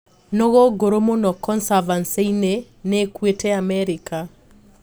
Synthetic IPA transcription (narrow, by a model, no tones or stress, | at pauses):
nɔɣoɡoɾomonɔkɔnsavanseine | nekwetɛamɛɾika